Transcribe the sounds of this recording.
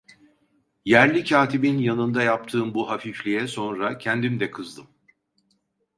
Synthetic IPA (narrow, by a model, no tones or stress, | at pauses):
jæɾlʲicʰaːt̪ʰibinjanɯnd̪ajap̚t̪ʰɯːmbuɦafiflʲijɛso̞nɾacʰɛnd̪imd̪ɛkʰɯzd̪ˠɯm